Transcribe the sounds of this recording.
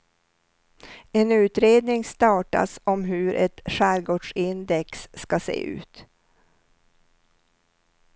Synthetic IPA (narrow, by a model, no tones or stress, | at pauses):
ɛnʉ̟ːt̪ɾeːd̪nɪŋst̪ɑːʈa̰sɔmɦɵɾʔɛt̪ʂæːɾɡoːɖʂɪnd̪ɛksːkasḛːʔʉ̟̰ːt̪